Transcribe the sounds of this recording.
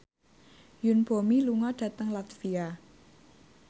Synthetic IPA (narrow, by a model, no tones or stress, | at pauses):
junb̥omiluŋɔɖ̥ä̤t̪əŋlat̪fia